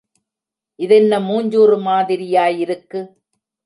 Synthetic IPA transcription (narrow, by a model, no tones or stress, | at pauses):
ʔɪðɛnːɐmuːɲd͡ʒoːrɯmaːðɪɾɪjaːjɪɾɯkːɯ